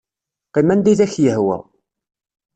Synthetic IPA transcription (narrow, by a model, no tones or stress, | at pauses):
qimænd̪iðæçjəhwæ̰